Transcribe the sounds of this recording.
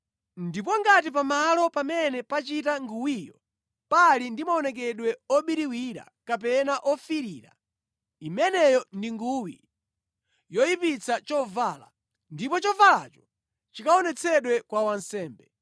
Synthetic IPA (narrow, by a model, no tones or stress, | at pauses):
ndip̬ɔŋɡatip̬amalɔpamɛnɛpat͡ʃitaŋɡuwiːjɔ | palindimaɔnɛk̬ɛɗwɛɔɓiɾiwiɾa̰kapɛnaʔɔfiɾiːɾa̰ | imɛnɛjɔndiŋɡuwi | jɔjipit͡sʰat͡ʃɔvaːla̰ | ndipɔt͡ʃɔvala̰t͡ʃɔ̥ | t͡ʃikaɔnɛt͡sʰɛɗwɛkwawansɛːmbɛ